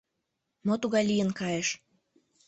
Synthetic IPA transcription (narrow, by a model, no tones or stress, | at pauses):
mot̪uɣɑjlijənkɑjeʃ